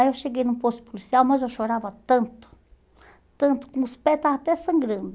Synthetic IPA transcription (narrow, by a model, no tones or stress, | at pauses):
ewʃeɡejnũpost̪ɪ̥polisiawmɐzewʃoɾavɐt̪ɐ̃nt̪ʊ̥ | t̪ɐ̃nt̪ʊ̥kõʊspɛt̪aat̪ɛsɐ̃ŋɡɾɐ̃nd̪ʊ